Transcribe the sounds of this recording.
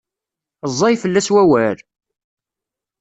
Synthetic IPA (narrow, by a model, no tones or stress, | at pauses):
zˤːɑjfəlːæswæwæɾ